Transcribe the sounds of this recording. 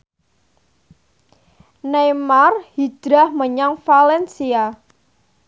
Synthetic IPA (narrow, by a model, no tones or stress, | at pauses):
nemarhid̥ɾahməɲaŋfalɛnsia